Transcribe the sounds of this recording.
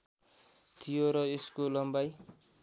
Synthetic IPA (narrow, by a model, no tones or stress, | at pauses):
t̪ʰijoɾʌeskolʌmbaj